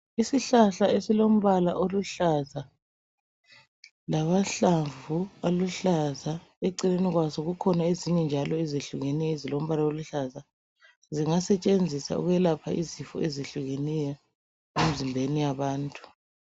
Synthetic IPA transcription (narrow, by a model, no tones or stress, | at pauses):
isiɬaɬaesilom̩βala̰ʔoluɬaza | laβaɬavualuɬaza | eǀineniɣwazɔɣukʰɔnaeziɲɛnd͡ʒʱalɔeziɬuɣenɛjɔzilom̩βalaoluɬaza | ziŋasɛt͡ʃʼend͡zʱisa̰ṵɣwɛlapʰa̰ʔizifɔ̰ʔeziɬuɣenɛjɔ | em̩zimbʱenijaβaːntʼu̥